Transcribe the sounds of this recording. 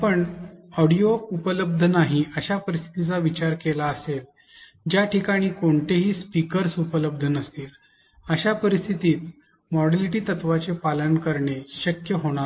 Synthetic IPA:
pəɳɔɽijoupələb̚d̪ʱənaɦiəɕapəɾist̪ʰi̥t̪it͡saʋit͡ɕaɾkelaəsel | d͡ʑjaʈʰikaɽ̃iːkoɳt̪eɦiːspikəɾsupələb̚d̪ʱənəst̪iːl | əɕapəɾist̪ʰit̪iːt̪̚ | mɔɽaliʈiːt̪ət̪ʋat͡sepalənkəɾɳeɕəkjəɦoɽ̃a

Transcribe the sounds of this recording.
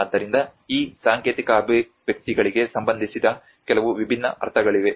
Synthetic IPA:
d̪ːɐɾind̪ɐiːsaːŋkeːt̪ikɐːbʱi | ʋjɐk̚t̪iɡɐɭiɡe̞sɐmbɐnd̪ʱisid̪ɐ | kɛlɐʋuʋibʱinːɐ̰ʔɐ̰ɾt̪ʰɐɡɐɭiʋe̞

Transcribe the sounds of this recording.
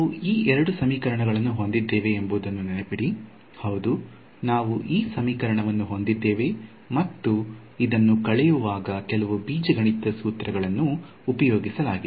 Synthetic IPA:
auiːʔɛɾɐɽusɐmiːkɐɾɐɳɐɡɐɭɐnːuɦo̞nd̪id̪ːeːʋeːmbuːd̪ɐnːunɛnɐpiɽi | hɐwd̪u | naːʋuʔiːsɐmiːkɐɾɐɳɐʋɐnːuɦo̞nd̪id̪ːeːʋe̞ | mɐt̪ːu | id̪ɐnːukɐɭɛjuʋaːɡɐkɛlɐʋubiːd͡ʒɐɡɐɳit̪ːɐsuːt̪ɾɐɡɐɭɐnːuː | pɐjoːɡisɐlaːɡid̪

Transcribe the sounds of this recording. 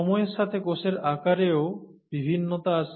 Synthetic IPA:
ɔmɔeɾʃat̪ʰekoʃeɾakaɾeo | bibʱinːot̪aaʃ

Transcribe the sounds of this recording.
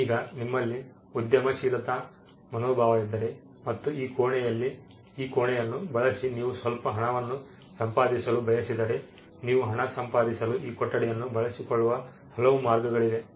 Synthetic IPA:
iːɡɐnimːɐlːi | ud̪jɐmɐʃiːlɐt̪ɐ | mɐnoːbʱaːʋɐid̪ːɐɾe | mɐt̪ːuiːkoːɳɛjɐlːiː | koːɳɛjɐnːubɐɭɐsiniːʋusʋɐlpɐɦɐɳɐʋɐnːu | sɐmpaːd̪isɐlubʱɐjɐsid̪ɐɾe | niːʋuɦɐɳɐsɐmpaːd̪isɐluʔiːkɔʈːɐɽɛjɐnːubɐɭɐsikoɭːuʋɐ | hɐlɐʋumaːɾɡɐɡɐɭid̪e̞

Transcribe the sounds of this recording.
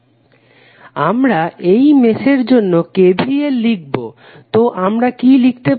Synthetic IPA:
amɾaʔejmeʃeɾd͡ʑonːokeb̪ʱɾielːiɡ̚bo | t̪oʔamɾakilik̚t̪e

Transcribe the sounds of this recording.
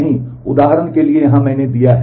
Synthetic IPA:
ɦĩ | ʊd̪aːɦəɾənkeliejɐɦãmɛ̃ːned̪ijaɦ

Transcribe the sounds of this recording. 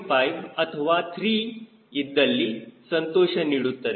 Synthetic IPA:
fajʋɐt̪ʰəʋat̪ʰɾiː | id̪ːɐlːiːsənt̪oɕəniɽut̪ːɐɾe

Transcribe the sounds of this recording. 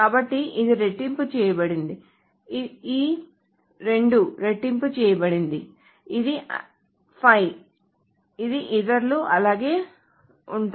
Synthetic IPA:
kaːbɐʈːiʔid̪iɾe̞ʈːimput͡ʃɛːjɐbɐɽind̪i | iː | ɾe̞ɳɖuɾe̞ʈːimput͡ʃɛːjɐbɐɽind̪i | id̪i | pʰɐj | id̪iʔid̪ɐɾluʔɐlaːɡe̞ː | uɳʈ

